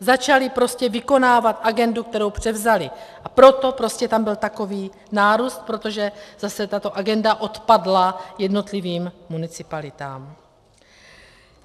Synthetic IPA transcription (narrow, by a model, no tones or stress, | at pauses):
zat͡ʃalɪpɾo̞scɛvɪko̞naːvat̪ʔaɡɛnduk̚t̪ɛɾowpr̝̥ɛvzalɪʔapɾo̞t̪o̞pɾo̞scɛt̪ambɪlt̪ako̞viː | naːɾuːst̪̚pɾo̞t̪o̞ʒɛzasɛt̪at̪o̞ʔaɡɛndaʔo̞t̪padlajɛdno̞t̪liviːmmːunɪt͡sɪpalɪt̪a̰ːm